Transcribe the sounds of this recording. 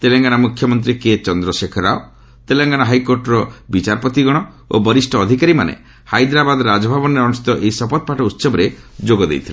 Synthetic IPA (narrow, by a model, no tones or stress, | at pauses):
t̪eleŋɡañamukʰjɔmɔnt̪̬ɾiket͡ʃɔnd̪ɾɔsekʰɔɾao | t̪eleŋɡanaɦajkoɾʈɔɾɔbit͡ʃaɾpɔt̪iɡɔɽ̃ɔ | o̰bɔɾisʈɔːd̪ʱikaɾimanḛ | hajd̪ɾabad̪ɾad͡ʒɔbʱabɔnɾeɔnust̪ɔʔejsɔpɔt̪̚paʈɔut̪ːsɔbɔɾed͡ʒoɡɔd̪ḛjt̪ʰile